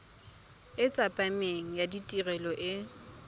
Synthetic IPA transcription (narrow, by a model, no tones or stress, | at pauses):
ɪt͡sʼapʼameŋ̩jaditʼirɛlɔʔɪ